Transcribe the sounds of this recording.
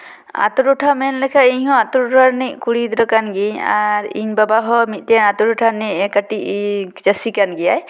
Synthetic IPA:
a̰t̪uɾuʈʰamɛnlɛkʰaiɲhɔ̃at̪uɾuʈʰaɾniʔkuɽid̪ɾɔkanɡiɲa̰ɾḭɲbabaɦɔmit̪̚tɛnat̪uɾɔʈʰaniʔkaʈiʔt͡ʃasikanɡijaj

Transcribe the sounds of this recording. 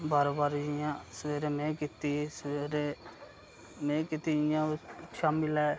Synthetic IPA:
baːɾbaːɾɪjãːsəʋeːɾeːmẽːkit̪iːsəeːɾe | mẽːkɪt̪iɪjãːʃaːmɪlɛː

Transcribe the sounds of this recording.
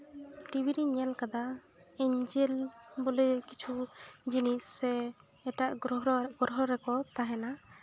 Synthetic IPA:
ʈibʱiɾiɲɛlkad̪a | ɛɲd͡ʒɛlbɔlɛkit͡ʃʰud͡ʒinisːɛː | ʈaʔɔɡɾɔɦɔɾɛkɔt̪aɦɛna

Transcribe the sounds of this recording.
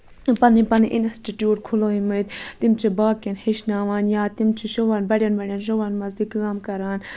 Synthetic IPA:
pɐnipɐniʔinsʈiʈjuːʈkʰuloːimɐjt̪t̪imt͡ʃʰibaːkɐnheʃnaːʋaːnjaːt̪imt͡ʃʰiʃoʋaːnbɐɽjaːnbɐɽʲjaːnʃ̬oʋaːnmɐzd̪ikɡaːmkɐɾaːn

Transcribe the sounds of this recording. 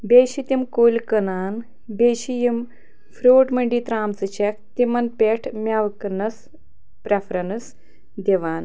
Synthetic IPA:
bʲeʃit̪ʲimkoːlʲkənaːn | beːʃijim | fɾoːʈməɳɖiːt̪ɾaːmt͡sɨt͡ʃekt̪imɐnpʲeʈʰmʲaʋkɐnɐs | pɾʲefɾɐnɨs | d̪ʲeʋaːn

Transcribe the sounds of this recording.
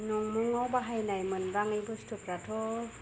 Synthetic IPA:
nuŋmuŋawbaɦajnajmɯnbaŋɯjbustʰupɾatʰɔ

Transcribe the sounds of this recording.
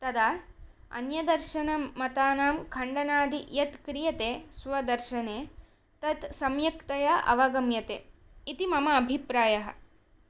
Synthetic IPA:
t̪ɐd̪aː | ɐ̰njɐd̪ɐɾʃɐnɐmɐt̪aːnaːmkʰɐɳɖɐnaːd̪ijɐt̪kɾijɐt̪eːsʋɐd̪ɐɾʃɐneː | t̪ɐt̪sɐmjɐkt̪ɐjaːʔɐ̰ʋɐɡɐmjɐt̪ḛːit̪imɐmɐːbʱipɾaːjɐɦɐ̰̆

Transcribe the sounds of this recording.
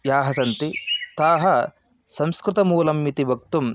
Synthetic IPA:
jaːɦɐsɐnt̪it̪aːɦɐ | sɐmskɾɪt̪ɐmuːlɐmːit̪ibʱɐk̚t̪um

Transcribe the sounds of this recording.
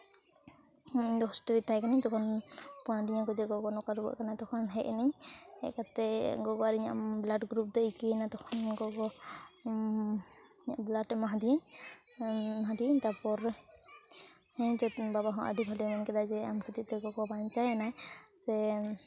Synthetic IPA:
ɲd̪ɔkstɔɾit̪ajkaniɲd̪ɔkʰɔnpãɖiɲaɡɔd͡ʒɛɡɔɡɔnɔkaɾbɔ̰ʔkanad̪ɔkʰɔnɦɛʔnɛɲhɛ̰ʔkat̪ɛɡɔɡɔaɾiɲa̰ʔblaʈɡɾup̚d̪ɔikinad̪ɔkʰɔnɡɔɡɔ | iɲaʔblaʈɾɛmaɦad̪iaɲ | mɦad̪iaɲt̪apɔɾ | hɛ̃d͡ʒɔt̪babaɦɔ̃ʔa̰ɖibʱalimankɛd̪ad͡ʒɛamkʰət̪it̪̚t̪ɛɡɔɡɔbaɲt͡ʃajanajsɛ

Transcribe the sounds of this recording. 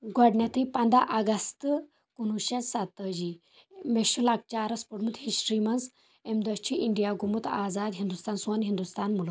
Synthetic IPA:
ɡɔɖnjat̪ipɐnd̪aʔaɡɐst̪ | kunuɕat͡ssat̪ːəd͡ʑi | meɕulak̚t͡ɕaɾɐspuɽmut̪hisʈɾimɐns | emd̪əɕt͡ʃʰiʔiɳɖijaɡumut̪ad͡zad̪ɦind̪ust̪ansuanɦind̪ust̪anmulu

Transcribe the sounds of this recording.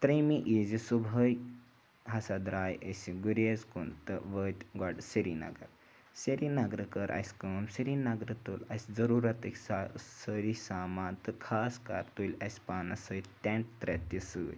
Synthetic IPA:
t̪ɾəmiʔid͡zisubʱəj | ɦasad̪ɾaːjəsiɡuɾiezkunt̪əʋət̪ʲɡaɽseɾina̰ɡə̰ɾ | seɾinaɡɾɨkəɾʔa̰sʲkəːmsiɾinaɡɾɨt̪ula̰sʲd͡zɐɾuɾat̪əksasəɾisamat̪ɨkʰaska̰ɾt̪ulʲɐsʲpaːnasəjt̪ãɳʈt̪ːɾɛt̪isɨ̰ːj

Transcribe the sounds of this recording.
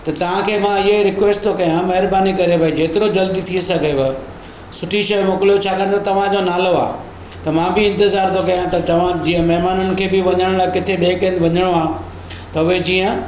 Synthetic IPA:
t̪ɐt̪ɐʋ̤ãkʰeːmãɪɦeɾɪkʋeːsʈt̪ʰokɐjãmɐɦɪɾbaːnikɐɾeʋɐed͡ʑeːt̪ɪɾod͡ʑɐld̪it̪ʰisɐɡʱeʋɐ | sʊʈʰiʃɐmoːkɪljot͡ɕʰaːkɐɽ̃et̪ɐt̪ɐʋ̤ãd͡ʑonaːloa̰ː | t̪ɐmãbɪɪ̃nt̪ɪzaːɾt̪ʰokɐjãt̪ɐd͡ʑɐʋ̤ãd͡ʑiːə̃mɐɦɪmaːnʊnɪ̆kʰeːbɪʋɐɲəɽ̃lakɪt̪ʰeɓeːkẽnd̪ʋɐɲəɽ̃oaː | t̪ɐʊɦed͡ʑiːə̃

